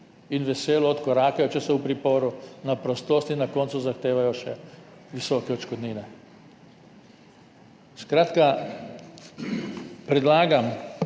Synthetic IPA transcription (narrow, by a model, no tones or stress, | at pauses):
inʋɛseːlɔːt̪kɔɾaːkɛjɔt͡ʃɛsɛwpɾipoːɾunapɾɔst̪oːst̪inːakɔːnsuzaxt̪eːʋajɔʃɛ | ʋisɔːkɛɔt͡ʃkɔd̪niːnɛ | skɾaːt̪ka | pɾɛd̪laːɡam